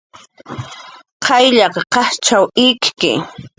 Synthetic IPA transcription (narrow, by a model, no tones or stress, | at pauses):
qʰɑjʎɑqɑqɑht͡ʃawɪkkɪ̰